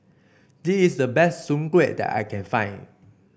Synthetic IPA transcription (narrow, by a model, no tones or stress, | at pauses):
disisdəbɛstsũmkwet̚dɛ̰ta̰jkʰɛ̃nfãɪ̃n